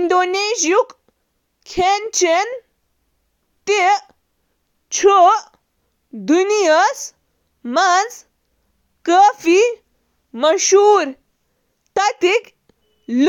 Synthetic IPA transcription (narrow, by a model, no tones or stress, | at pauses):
nd̪onesjuk | kʰːent͡ʃen | t̪e | t͡ʃʰo | d̪unijəs | mad͡z | kəfi | məʃuːɾ | t̪ɐt̪ik | l